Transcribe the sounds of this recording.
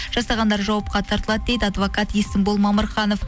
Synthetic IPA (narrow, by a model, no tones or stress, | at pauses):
ʒ̥ɑsɑʁɑnd̪ɑɾʒɑwɑp̚qɑt̪ʰɑɾt̪əlˠɑd̪̚d̪e̞jd̪ɪɑd̪vokɑt̪ist̪ɪmbolˠmɑməɾχɑnof